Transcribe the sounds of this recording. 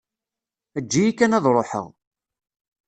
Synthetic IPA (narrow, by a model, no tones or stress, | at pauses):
əd͡ʒːijikːænæðˤɾˤoħə̰ʁ